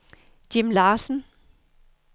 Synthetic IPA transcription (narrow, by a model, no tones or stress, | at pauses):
d̥imlɑːsn̩